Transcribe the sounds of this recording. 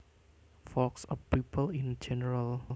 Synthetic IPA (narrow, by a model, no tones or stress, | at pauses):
fɔksɔfpipəlĩnd͡ʒɛnəɹal